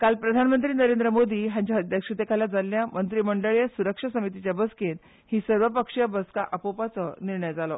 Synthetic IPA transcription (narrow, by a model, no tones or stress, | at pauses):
kalpɾəd̪ʱanmənt̪ɾiːnəɾend̪ɾəmod̪iːɦãɲt͡ɕaɦəd̪jakʂut̪ekʰaljad͡zalːjamənt̪ɾiːməɳɖəɭjəsuɾəkʂasəmit̪̬it͡ɕjabəsken | hiːsəɾʋəpəkʂjəbəskaʔəpopat͡səniɾɳəjd͡zalɔ